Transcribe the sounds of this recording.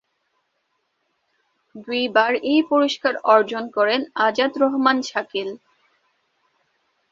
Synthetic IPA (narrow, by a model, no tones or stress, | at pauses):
d̪ujbaɾejpoɾiʃkaɾɔɾd͡ʑonkɔɾenad͡ʑad̪ɾɔɦmanʃakil